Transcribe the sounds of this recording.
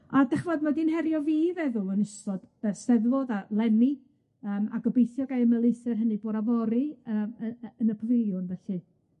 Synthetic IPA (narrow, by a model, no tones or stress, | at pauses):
adɛχvɔdmadinhɛɾjɔviːvɛðʊənəstɔd̥ɛsɛðvɔðalˠɛmi | əːma̰ɡɔbejθjɔɡajəməlˠɨjsɛrɦənɨboːdavɔɾiəːməənəpʰɔvɪlˠjʊnvɛɬɨ